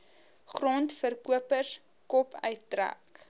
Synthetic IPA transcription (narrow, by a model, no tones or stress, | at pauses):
χrɔntfərkuəpərs | kɔpʰœ̰ɥt̚ːræ̰k